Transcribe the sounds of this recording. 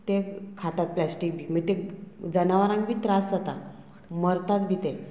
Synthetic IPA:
t̪ekʰat̪at̪̚plasʈik̚bʱiːməɡt̪ed͡zənaʋaɾãŋbʱiːt̪ɾasd͡zat̪a | məɾt̪at̪̚bʱit̪e

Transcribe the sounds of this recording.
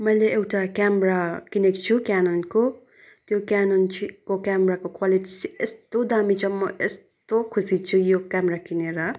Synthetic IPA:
mʌjleʔewʈakamɾakinekt͡ʃʰukanonko | t̪jokanont͡ʃʰikokamɾakokwaliʈit͡sʰiest̪od̪amid͡zʌmːʌʔest̪okʰusit͡ʃʰujokamɾakineɾʌ

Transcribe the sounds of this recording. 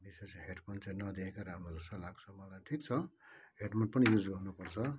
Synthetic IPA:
bisesɦeʈmʌnt͡saĩnʌd̪ekʰekaɾamʌd͡zʌst̪ʌlaɡsʰʌmʌlajʈʰikt͡sʰʌɦeʈmʌnpʌnijud͡zɡʌrnupʌrt͡sʰʌ

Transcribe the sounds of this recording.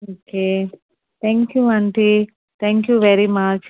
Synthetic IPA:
oːkeː | t̪ʰɛ̃ŋkjuɐ̃ɳʈi | t̪ʰɛ̃ŋkjuʋeɾimat͡ʃ

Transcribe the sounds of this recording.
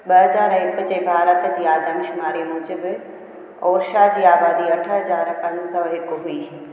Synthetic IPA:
ɓɐɦɐzaːɾɪkʊd͡ʑebʱaːɾət̪d͡ʑiːaːd̪ʱəmɪʃʊmaːɾimʊ̃d͡ʑəbɪ̆ | oːɾʃad͡ʑiːaːbaːd̪iɐʈʰəɦɐzaːɾpɐ̃ɲd͡ʑsɐʋɦɪkʊɦuiː

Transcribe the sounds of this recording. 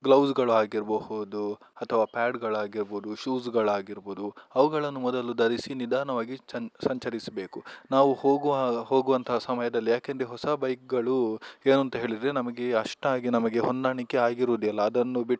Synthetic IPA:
ɡlɐwsɡɐɭuaːɡiɾbɐhud̪u | ɐt̪ʰɐʋaːpaːɖɡɐɭaːɡiɾboːd̪uʃuːsɡɐɭaːɡiɾboːd̪uɐʋɐɡɐɭɐnːumɔd̪ɐlud̪ɐɾisinid̪ʱaːnɐʋaːɡiɐsɐɲt͡ʃɐɾisɐbe̞ːkunaːʋuhoːɡuʋaho̞ːɡuʋɐnt̪ʰɐɦɐsɐmɐjɐd̪ɐlːijaːkend̪ɾeɦɔsɐbɐjk̚ɡɐɭueːnuɐnt̪ɐɦe̞ːɭid̪ɾenɐmɐɡeɐʂʈaːɡinɐmɐɡe̞ɦɔnd̪aːɳikːeaːɡiɾuːd̪ijɐlːɐːd̪ɐnːubiʈː

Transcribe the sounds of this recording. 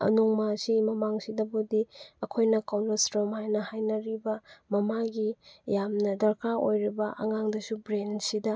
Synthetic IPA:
ɐ̰nuŋmasimɐmaŋsidɐbudiɐkʰojnɐkawnɐsɾomajnɐhajnɐɾibɐmɐmaɡijamnɐdɐɾkʰao̰jɾibɐʔɐ̰ŋaŋdɐsubɾensidɐ

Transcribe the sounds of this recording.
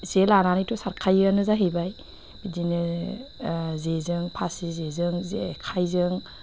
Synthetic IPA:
zelananitɔsaɾkʰajɯnɯzaɦebaj | b̥idinɯ | zezɯŋpʰasizezɯŋzekʰajzɯŋ

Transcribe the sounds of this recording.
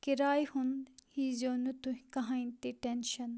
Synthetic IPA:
kiɾaːjhunhizoːnut̪uɦĩkɐɦãːint̪iʈenʃɐn

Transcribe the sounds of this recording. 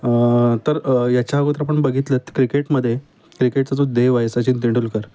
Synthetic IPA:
t̪əɾjat͡ɕjaɡut̪ɾapəɳbəɡʱit̪lət̪kɾikeʈməd̪ʱːje | kɾikeʈ̚t͡sat͡s̪od̪eʋajsat͡ɕint̪̬iɳɖuːlkəɾ

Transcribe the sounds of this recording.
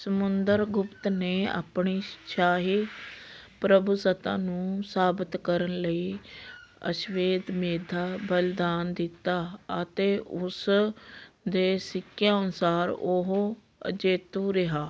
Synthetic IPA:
səmʊnd̪əɾɡʊpt̪neːa̰ːpɳiːʃaːɦiː | pɾəbusət̪ã̰ːnũːsaːbət̪kəɾənləiː | ə̰ʃʋeːd̪meːd̪ʱaːbəld̪aːnd̪ɪt̪ːaːət̪eːʊs | d̪eːsɪkʰːjãːʊnsaːɾoɦ | ə̰d͡ʒeːt̪uːɾɪɦaː

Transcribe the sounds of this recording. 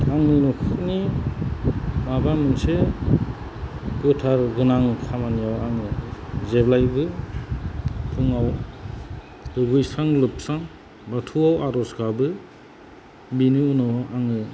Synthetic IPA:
aŋnɯnɔkʰɯk̚ni | mabaŋmɯnse | kɯtʰaɾɡɯnaŋkʰamanijawaŋɯzeblajbɯ | pʰɯŋaw | dɯɡujsaŋlɯp̚saŋ | batʰuawaɾɔsɡabɯ | biniunɔaŋɯ

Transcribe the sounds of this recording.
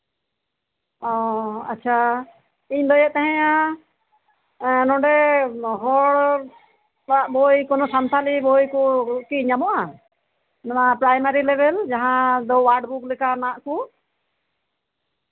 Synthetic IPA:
ɔa̰tːt͡ʃʰa | iɲd̪ɔjɛʔt̪ɛɦɛ̃ja | nɔ̃ɳɖɛɦɔɽ | baʔbɔjkɔnɔsant̪ʰalibɔjkɔkiɲamɔʔa | nanapɾajmaɾilɛbɛld͡ʒaɦãd̪ɔwaɾɖbuklɛkanãʔku

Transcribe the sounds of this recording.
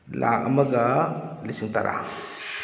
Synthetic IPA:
la̰ʔɐmɐɡalisiŋta̰ɾʔa̰

